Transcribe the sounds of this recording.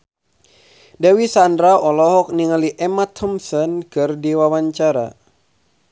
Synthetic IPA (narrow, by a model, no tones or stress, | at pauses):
dawisandɾaɔlɔɦɔk̚niŋaliʔɛmat̪hɔmsɔnkɨrdiwawaɲt͡ʃaɾa̰